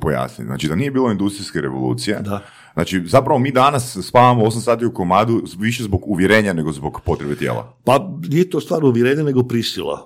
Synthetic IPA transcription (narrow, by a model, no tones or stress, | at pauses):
poja̰snḭt̪zna̰t͡ʃid̪anije̞biːlˠo̞ind̪ust̪ɾiskeɾḛʋolṵːt̪sije̞d̪a | naːt͡ʃizapɾaʋo̞miːd̪anasːpaːʋamoo̞s̬amsaːt̪iuko̞maːd̪uʋiʃezboɡuʋjeɾe̞ːɲane̞ɡo̞zbo̞ɡpo̞t̪ɾebet̪jḛːlˠa̰panijet̪ost̪ʋaːɾuʋjeɾeːɲaneɡopɾisilˠa̰